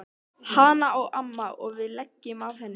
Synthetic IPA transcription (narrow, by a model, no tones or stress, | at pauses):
hanaɔɣʔamːaɔɣvɪðlɛcːɪmavθɛnː